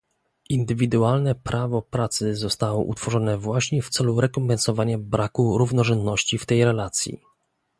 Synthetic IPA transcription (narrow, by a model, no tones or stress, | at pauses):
ʔind̪ɘvʲid̪ualnɛpɾʔavɔpɾat̪sɘzɔst̪awɔ̰ʔṵt̪fɔʐɔnɛvwaɕɲɛft̪sɛluɾɛkɔmpɛnsɔvaɲabɾʔakuɾuvnɔʐɛnd̪nɔɕt͡ɕift̪ɛjɾɛlat̪sʲjḭ